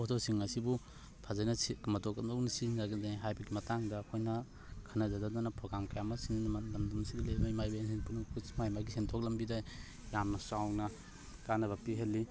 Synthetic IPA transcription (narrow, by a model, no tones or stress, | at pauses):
ɔdɔwsiŋɐsibu | pʰazajnɐsikɯmɐtɔkɐɔwnisinaɡidajɦajbɐɡimɐtaŋdɐkʰojnɐ | kʰanɐzadadanɐpɾɔɡɾamkajamɐsinbɐndumsiɡilejbajmajbajnsinpʰunkʰusmajmaɡisentʰɔk̚lɐmbida | jamnɐsawnɐ | kanɐβɐpiɦɐlːi